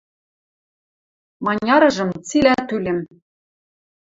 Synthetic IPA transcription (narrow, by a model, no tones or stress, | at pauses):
mɑnʲɑɾɤ̆ʒɤ̆mt͡silæt̪ylĕm